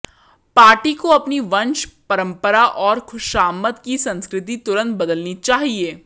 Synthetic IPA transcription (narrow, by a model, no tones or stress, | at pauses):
paːɾʈikoɐpniʋɐ̃nʃpɐɾə̃mpəɾaʔɔːɾxʊʃaːmːət̪kisɐ̃nskɾɪt̪̬it̪ʊɾə̃nt̪̚bɐd̪əlnit͡ʃaːɦieː